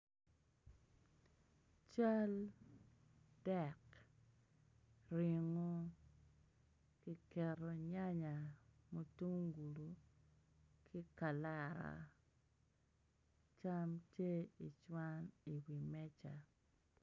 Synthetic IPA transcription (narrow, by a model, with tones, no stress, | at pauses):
t͡ʃa˦l | d̥ɛ˨k | ɾi˨ŋo˦ | ki˦kɛ˨ɾo˨ɲa˦ɲa˨mo˨tu˦ŋŋɡu˨lu˨ | kʰi˦ka˨la˦˨ɾa̰˨ | t͡ʃa˦mte˦i˨t͡ʃwa˦ni˨wi˨mɛ˦t͡ʃa˨